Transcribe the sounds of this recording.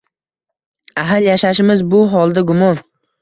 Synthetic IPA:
aɦaljaʃaʃɪmɪzbʊɦɒlˠd̪aɡʊmɒn

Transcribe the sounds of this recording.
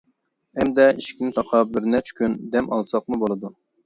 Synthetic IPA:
ɛmd̪ɛiʃi̥kʲnɪt̪ʰɑqʰɑp̚bɪɾnɛt͡ʃʰkʲʰynd̪ɛmʔɑlˠsɑq̚mubolˠɨd̪u

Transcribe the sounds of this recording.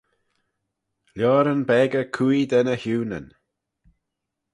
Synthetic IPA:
ljɔːɾənbɛːɡəkʰujd̪ɛnəhuːnə̰n

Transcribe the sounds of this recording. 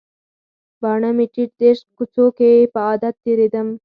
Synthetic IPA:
bɐɳɐmiʈiʈ̚d̪eʂkut͡soːkeːpaːd̪ɐt̪ːiɾid̪ɐm

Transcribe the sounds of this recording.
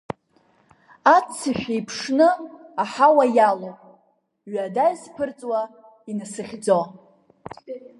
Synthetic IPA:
at͡sʰːɨʃᶣejpʰʂnɨaħawajalowpʼ | ɥadajzpʰɨrt͡sʼwa | inasɨχʲd͡zo

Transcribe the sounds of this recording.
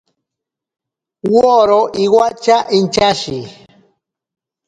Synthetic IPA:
woɾoʔiwat͡ʃaʔint͡ʃaʃi

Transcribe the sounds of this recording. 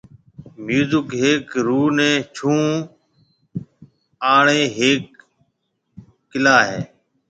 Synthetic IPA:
mjuːzɪkɦeːkɾuːnɛ̃ːt͡ʃʰũː | aːɳeːɦeːk̚ | ɪlaːɦeː

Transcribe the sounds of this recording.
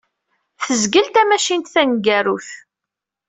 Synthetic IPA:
θəzɡəlt̪æmæʃint̪θænɡæɾuθ

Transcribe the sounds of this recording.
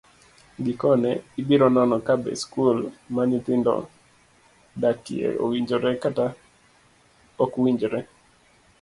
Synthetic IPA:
ɡɪkɔnɛɪbiɾɔnɔnɔkabɛ̰skulmaɲit̪ɪndɔ̰ | datiḛɾo̰wiɲd͡ʒɔɾɛkata | ɔkwiɲd͡ʒɾɛ

